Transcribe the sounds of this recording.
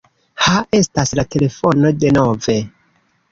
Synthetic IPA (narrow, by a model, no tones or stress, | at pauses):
hae̞staslate̞le̞fo̞no̞de̞no̞ve̞